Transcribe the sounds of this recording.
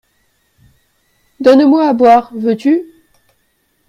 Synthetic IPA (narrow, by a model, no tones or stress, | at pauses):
d̪ɔnmwaːbwaːʁvøt̪y